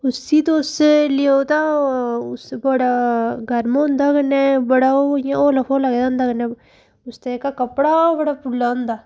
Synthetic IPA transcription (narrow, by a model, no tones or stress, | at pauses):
ʊsiːt̪oʊsleoːt̪aːʊsbəɽaːɡʱəɾmõʊ̃nd̪aːkəneːbəɽaːojãoːləpʰoːləɡed̪aʊ̃nd̪aːkənẽː | ʊst̪eeːkakəpɽaːbəɽaːpʊlːaːʊ̃nd̪aː